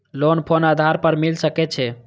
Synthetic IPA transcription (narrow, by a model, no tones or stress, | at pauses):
lonpʰonad̪ʱaɾpəɾmilsəkɛt͡ʃʰɛ